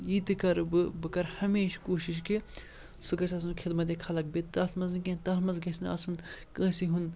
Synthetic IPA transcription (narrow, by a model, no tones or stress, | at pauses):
jiːt̪ɨkɐɾbɨbɨkɐɾhɐmeːʃkoːʃiʃ̬ki | sukɐt͡ʃʰɐs̬unkʰɪd̪mɐt̪̬ekʰɐlɐk̚bet̪ɐsʰmɐzikẽːt̪ɐlmɐnzɡɐsnɐ̰sunkə̃ːsiɦun